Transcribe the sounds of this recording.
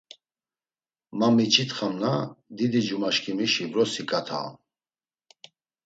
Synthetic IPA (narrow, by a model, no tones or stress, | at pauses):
mamit͡ʃʰit̪χamnad̪id̪id͡ʒumaʃkʰimiʃibɾɔsikʼat̪ʰa̰